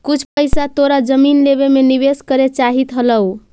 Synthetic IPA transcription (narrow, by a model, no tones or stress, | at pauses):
kut͡ʃʰpəjsat̪oɾad͡ʒəminleβemeniβeskəɾet͡ʃaɦit̪ɦələw